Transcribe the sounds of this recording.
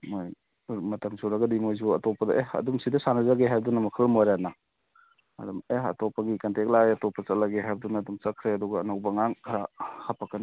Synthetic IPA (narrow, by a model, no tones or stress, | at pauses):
moj | mɐtɐmsuɾɐɡɐdimojzuɐtɔpːɐdɐʔehɐ̰dumsidɐsanɐzaɡeɦajbdunɐmɐkʰɐlmojɾana | ɐ̰dumehɐ̰tɔpɐɡikɐntʰek̚laɡeɐtɔpːɐt͡ʃɐt̚laɡeɦajbdunaːdumt͡ʃɐkʰɾeɐduɡɐːnɐwbɐŋaŋkʰahapakɐni